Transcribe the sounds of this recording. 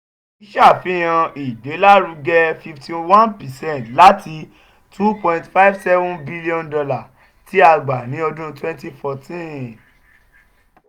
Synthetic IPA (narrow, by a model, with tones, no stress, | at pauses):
i˦ʃa˦˨fi˨˦j̃ã˧i˨de˨˦la˦ɾũ˧ɡɛ˧fi˧ftʰi˧wã˦npɛ˨sɛ̃˦˨ntla˦tʰi˧ | tʰu˦pɔ̃˧ĩ˧ntfa˦i˦fsɛ˦vũ˦bi˦li˦ɔ̃˧ndɔ˧la˦˨ | ti˨˦a˧ɡ͡ba˨nĩ˨˦ɔ˧dũ˦twɛ̃˦nti˦fɔ˧tĩ˦